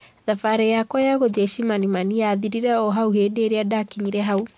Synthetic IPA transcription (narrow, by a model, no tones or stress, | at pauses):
ðafaɾɛjakwajaɣoðɛʃimanimanijaːðiɾiɾɛɔɦauheːdeɾeadakiɲiɾɛɦau